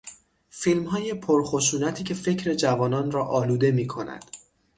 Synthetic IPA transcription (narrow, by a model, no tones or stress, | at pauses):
filmɦɒːje̞pʰoɾxo̞ʃuːnæt̪ʰiːcʰe̞fe̞cʰɾe̞d͡ʒævɒːnɒːnrɒːʔɒːluːd̪e̞miːkʰo̞næ̰d̪̥